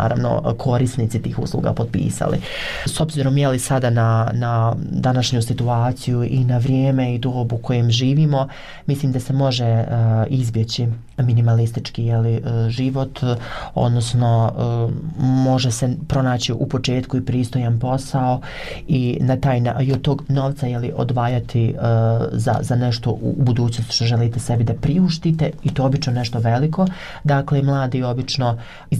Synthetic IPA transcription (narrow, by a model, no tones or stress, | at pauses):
a̰ːɾa̰ʋno̰kʰo̞ɾisnit̪sit̪iːxṵslˠṵːɡa̰po̞d̪̚pḭːsa̰lḭ | so̞bziɾo̞mjɛlisad̪aːnanad̪anaʃɲusit̪uaːt̪sijuʔinaʋɾjeːme̞id̪ulobukʰo̞jemʒiːʋiːmo̞ | mislˠiːmd̪ase̞mo̞ʒeizbje̞t͡ɕi | minimalist̪it͡ʃkijɛliʒiʋo̞t̪o̞̰d̪no̞sno̞ | mo̞ʒesepɾo̞naːt͡ɕiʔupo̞t͡ʃe̞ːt̪kuipɾiːst̪o̞janpo̞sao̞ | inat̪aːjniod̪̚t̪oɡno̞ʋt̪sajɛliʔo̞̰d̪ʋaːjat̪ʰi | za̰zaneʃt̪oʔṵːbud̪uːt͡ɕnost̪ʃt̪oʒeliːt̪esebid̪apɾiuʃt̪it̪e̞it̪oobit͡ʃnoneʃt̪o̞ʋe̞likʰo̞ | d̪aklemlˠaːd̪iːo̞bit͡ʃno̞ | i